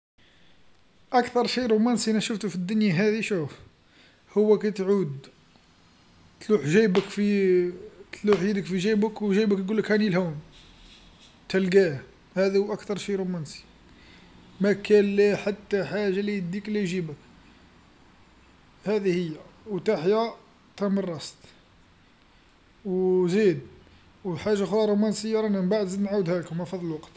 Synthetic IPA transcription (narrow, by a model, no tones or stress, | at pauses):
ʔækt̪ɑɾˤʃiɾˤumænsiʔnæʃəft̪ufid̪ːʊnjaɦæd̪iʃuf | hʊwːækæt̪ʕud̪ | t̪luħʒæjbəkfi | t̪luħjid̪əkfiʒæjbəkwʒæjbəkt̪ɡulːəkhænilhum | t̪ælɡæ | hæd̪huʔækt̪ɑɾˤʃiɾumænsi̥ | mækænlæħat̪ːæħaʒːalijd̪iklæʒibək | hæd̪ihəjːæwt̪aħja | t̪æmərˤːɑst̪ | wzid̪ | wħaʒːaxɾɑɾˤumænsəjːɑɾˤænæmbaʕd̪zid̪nʕawəd̪hæləkmæfɑd̪ˤlwɑqt̪